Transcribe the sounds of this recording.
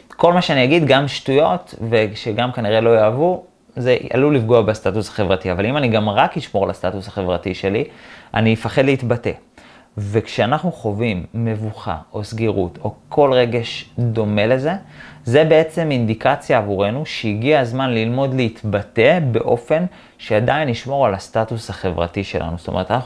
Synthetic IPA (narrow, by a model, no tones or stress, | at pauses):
ko̞lmaʃeanijaɡidɡamʃtujo̞tve̞ʃeɡamkaniʁe̞lo̞jaːvu | zea̰lulifɡoabest̪atusḁχe̞vʁatiavalimaniɡamʁakhiʃmo̞ʁlastatusaχe̞vʁatiʃe̞liʔa̰niifaχe̞d̪leit̪bate̞̰ | vekʃeanaχnuχo̞vimːe̞vuχa̰ʔo̞sɡeʁutʰo̞kʰo̞lʁe̞ɡe̞ʃd̪o̞me̞le̞ze̞ze̞be̞e̞t͡se̞mind̪ikat͡sjaːvuʁe̞nuʃeiɡiazmanlilmo̞d̪leit̪bate̞be̞ʔo̞fe̞n | ʃeadainiʃmo̞ʁalastatushaχe̞vʁa̰tiʃe̞lʔa̰nuztomeʁtanaχ